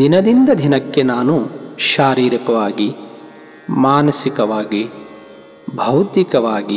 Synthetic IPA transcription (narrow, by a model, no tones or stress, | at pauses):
d̪inɐd̪ind̪ɐd̪ʱinɐkːe̞naːnuʃaːɾiːɾikɐʋaːɡi | maːnɐsikɐʋaːɡi | bʱɐwt̪ikɐʋaːɡi